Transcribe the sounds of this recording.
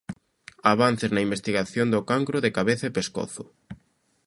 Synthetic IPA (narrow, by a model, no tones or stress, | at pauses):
aβan̟θɪznɐimbest̪iɣaθjond̪ʊkaŋkɾʊðekaβeθapeskɔ̰θʊ